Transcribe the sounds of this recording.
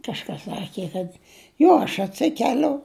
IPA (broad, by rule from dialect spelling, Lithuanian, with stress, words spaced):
kɐʃˈkɐs ˈsɑːkʲɪ kɐt ˈjoː ɐʃ ɐtʲˈsʲɪkʲɛlʲʊ